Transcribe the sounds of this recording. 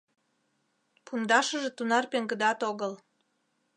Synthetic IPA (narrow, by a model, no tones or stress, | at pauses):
pund̪ɑʃəʒet̪unɑrpeŋɡə̆d̪ɑt̪oɣəl